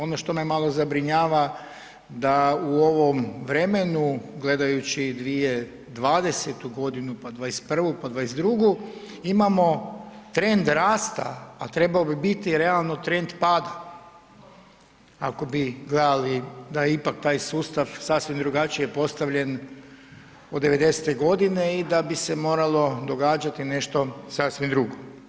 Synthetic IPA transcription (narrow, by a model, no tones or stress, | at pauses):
o̞noʃt̪o̞memalˠo̞zabɾiɲaːʋa | d̪auo̞ʋo̞mʋɾe̞me̞nuɡle̞d̪ajut͡ʃid̪ʋije̞ | d̪ʋaːd̪e̞set̪uɡo̞d̪inupad̪ʋaespr̩ʋupad̪ʋajesd̪ɾuɡu | imamo̞ | t̪ɾe̞nd̪ɾaːst̪a̰ːt̪ɾe̞baobibit̪iɾe̞alˠnot̪ɾe̞nd̪paːd̪a | ako̞biɡled̪alid̪ajeipak̚t̪aːjsuːst̪aʋsasʋimd̪ɾuɡat͡ʃijepo̞st̪aʋʎe̞n | od̪e̞ʋe̞d̪e̞set̪eɡo̞d̪ine̞id̪abise̞mo̞ːɾalˠo̞d̪o̞ɡaːd͡ʒat̪ine̞ʃt̪o̞sasʋimd̪ɾuɡo